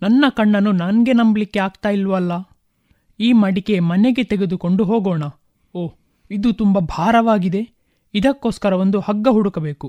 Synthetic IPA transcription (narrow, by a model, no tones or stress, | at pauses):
nɐnːɐkɐɳːɐnːunanɡe̞nɐmbɐlikːe̞aːɡt̪aːjilʋɐlːɐ | iːmɐɽike̞mɐne̞ɡe̞t̪eɡe̞d̪uko̞ɳɖuɦoːɡoːɳɐ | oː | id̪ut̪umbɐbʱaːɾɐʋaːɡid̪e̞ | id̪ɐkːo̞ːskɐɾɐʋo̞nd̪uhɐɡːɐɦuɽukɐbe̞ːku